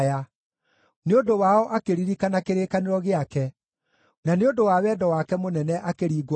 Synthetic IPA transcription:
a | neodowaɔʔakeɾiɾikanakeɾeːkaneɾɔɣeakɛ | naneodowawɛːdɔwakɛmonɛnɛʔakeɾiːɡw

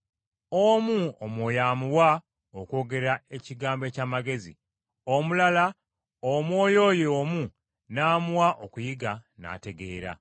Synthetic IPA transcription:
omuomwoːjaːmuwa | oko̞ːɡe̞ɾae̞ciɡaːmbe̞ːcaːmaɡe̞zḭ | omulala | omwo̞ːjo̞ːjeoːmu | naːmuwaʔokujiɡana̰ːte̞ɡe̞ːɾa̰

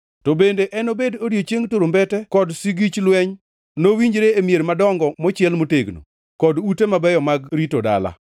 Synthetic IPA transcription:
tɔbendeʔɛnobedodjot͡ʃeŋtoɾombɛtɛkɔdsiɡit͡ʃlwɛɲ | nowiɲd͡ʒɾeemjeɾmadɔŋɡɔmɔt͡ʃɪɛlmoteɡno̰ | kɔdutemabɛjɔmaɡɾitoda̰la̰

